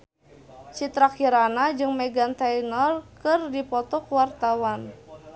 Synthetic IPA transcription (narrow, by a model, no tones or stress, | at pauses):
t͡ʃit̪ɾakiɾanad͡ʒɨŋmɛɡant̪ainɔlkɨrdipɔt̪ɔkwart̪awan